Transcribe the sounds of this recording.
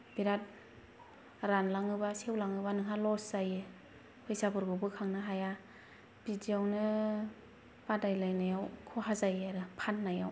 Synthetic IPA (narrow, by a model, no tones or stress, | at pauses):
b̥iɾat̚ | ɾanlaŋɯbasewlaŋɯbanɯŋɦalɔszajɯ | pʰɯjsabɯɾɡɯbɯkʰaŋnɯɦaja | b̥idiawnɯ | badajlajnajawkʰɔɦazajaɾɯpʰanːajaw